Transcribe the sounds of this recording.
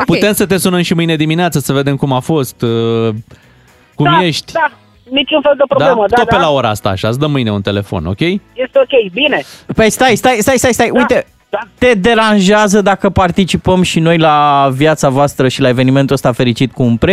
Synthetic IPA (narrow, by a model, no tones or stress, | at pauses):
put̪e̞msət̪e̞sunəmʃimɨjne̞d̪imineat̪səsəve̞d̪e̞mkumafo̞st̪ | kumje̞ʃt̪ʲd̪a | nit͡ʃunfeld̪epɾod̪alemət̪opelao̞ɾaast̪a̰ːʃasd̪əmɨjne̞unt̪e̞le̞fo̞̰no̞̰kʲe̞jjest̪eokʲejbine̞pəjst̪ajst̪ajst̪ajst̪ajst̪ajʔujt̪e̞ | d̪at̪e̞d̪e̞ɾanʒeazəd̪akəpart̪it͡ʃipəmʃino̞jlavjat̪savoast̪ɾəʃilae̞ve̞nime̞nt̪uəst̪afe̞ɾit͡ʃit̪kuːnpɾe